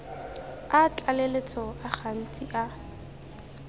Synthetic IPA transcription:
at͡ɬʼalelet͡sʰɔaχʰan̩tʼiʔa

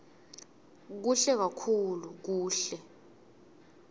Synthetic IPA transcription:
k̬uɬɛk̬akʰuluk̬uːɬɛ

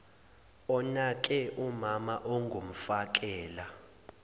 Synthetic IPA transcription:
ɔnakʼɛʔumamaʔoŋɡʱum̩fak̬ʼɛːla

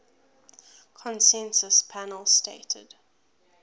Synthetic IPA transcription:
kʰɔ̃nsɛ̃nsəspʰænəlˠsteɪtʰə̰d̥

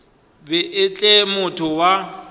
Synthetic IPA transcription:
bɪʔɪt͡ɬʼɛmʊtʰʊwa

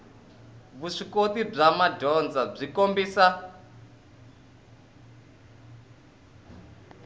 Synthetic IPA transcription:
βuʂikot̪ib͡ʐamadʱɔnd͡zab͡ʐikombiːsa

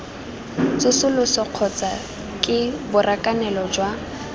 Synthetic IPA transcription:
t͡sʊsʊlʊsɔq͡χʰɔt͡sa | kʼɪbʊrʔakʼanɛlɔd͡ʒwa

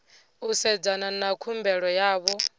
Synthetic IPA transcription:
usɛd͡zananakʰumbɛɺɔjaːβɔ

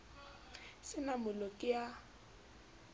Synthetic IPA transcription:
sɪnamʊlɔkʼɪja

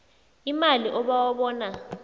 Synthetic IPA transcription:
imaliʔɔɓawaɓɔːna

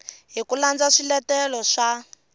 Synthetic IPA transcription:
ɦikuland͡zaʂilɛtɛlɔʂa

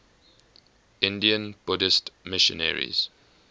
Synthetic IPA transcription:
ɪ̃ndiə̃nb̥ʊdɪstmɪʃɔ̰̃nɛ̰ɹḭz̥

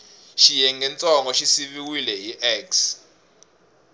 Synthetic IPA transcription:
ʃijɛŋɡɛnt͡sʼɔŋɡɔʃisiβiwilɛɦiʔɛks

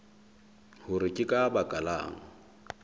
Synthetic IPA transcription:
hʊɾɪkʼɪkʼabakʼala̰ːŋ̩

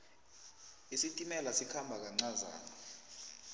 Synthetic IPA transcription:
isitʼimɛlasikʰambʱak̬aŋ͡ǀaza̰ːna

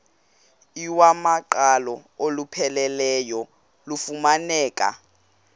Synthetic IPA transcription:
iwamaǃalɔolupʰɛlɛlɛjɔ | lufumanɛːkʼa̰

